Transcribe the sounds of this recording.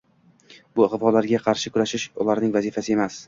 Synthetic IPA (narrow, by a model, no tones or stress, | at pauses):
bʊʁɨbɒlaɾɡʲaqʰɑɾʃɪkʰʊɾaʃɪʃʊlaɾnɪŋvazifasɪe̞mas